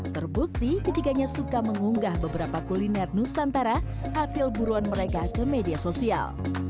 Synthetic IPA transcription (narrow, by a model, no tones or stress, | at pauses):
t̪ərbuk̚t̪ikət̪iɡaɲasukaməŋuŋɡahbəbəɾapakulinɛrnusant̪aɾa | hasɪlbuɾuanməɾekakəmediasosia̰l